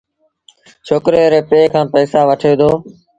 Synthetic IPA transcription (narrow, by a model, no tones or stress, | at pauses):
t͡ʃʰoːkɾeːɾeːpeːkʰãːpəːsaːʋəʈʰeːd̪oː